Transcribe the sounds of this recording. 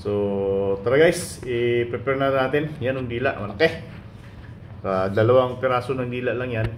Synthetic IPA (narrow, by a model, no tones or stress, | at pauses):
sot̪aɾaɡajsipɾɛpɛɾnanaːt̪ɪnjanʊŋd̪iːla̰ʔmalakeh | kad̪ɐlawaŋpɛɾaːsʊnaŋd̪iːlaʔlaŋjan